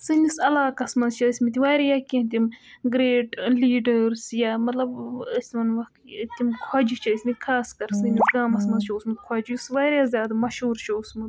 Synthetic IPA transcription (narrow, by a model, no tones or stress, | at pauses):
sɨnisɐlaːkɐsmɐnzt͡ʃʰɐsʲmit̪̬ʲiʋaːɾjakʲĩnt̪̬ʲimɡɾeːʈliːɖəɾsjaːmɐt̪lɐbɐsʲmɐnʋɐkt̪imkʰɐd͡ʒit͡ʃʰɐːsʲmikʰaːskɐɾsɨnʲisɡaːmɐsmɐnzt͡ʃʰɐsmɨd̪kʰɔd͡ʒjusʋaːɾʲjaːzʲjaːd̪amɐʃɦuːɾt͡ʃʰɐusmɨd̪